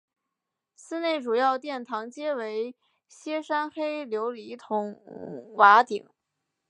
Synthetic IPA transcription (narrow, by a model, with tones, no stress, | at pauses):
sɹ̩˥ne˥˩ɪʈ͡ʂu˨˩jɑ˥˧ʊt̪jɛ˥˩nt̪ʰɑ˧˥ŋt͡ɕjɛ˥we˧˥ɪ | ɕjɛ˥ʂa˥nxe˥ɪljo˧˥ʊli˧˥t̪ʰʊ˧˥˦ŋwa˧˥t̪i˨˩˦ŋ